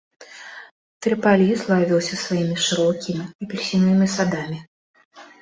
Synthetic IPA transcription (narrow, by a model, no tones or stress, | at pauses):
t̪ɾɨpalʲizlˠavʲiwsʲɐsvajimʲiʂɨɾɔkʲimʲiːpʲɛlʲsʲinːɨmʲisad̪amʲi